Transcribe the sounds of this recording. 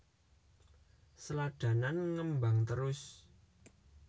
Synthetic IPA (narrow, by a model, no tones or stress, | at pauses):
səlaɖ̪̥ä̤nanŋəmbaŋt̪əɾʊs